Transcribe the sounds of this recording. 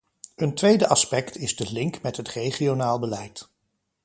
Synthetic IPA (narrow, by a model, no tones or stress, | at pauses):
əntʋejdəʔɑspɛktɪzdəlɪŋkmɛtɦətrejχionaːlˠbəlɛjt